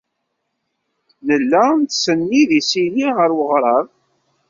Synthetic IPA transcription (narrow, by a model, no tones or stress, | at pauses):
nəlːænt̪sənːiðisiliʁəɾwəʁɾˤɑɾˤ